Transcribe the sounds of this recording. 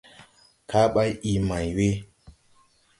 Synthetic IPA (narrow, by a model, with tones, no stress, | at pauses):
ka˦ɓa˦ji˨ma˨jwe˦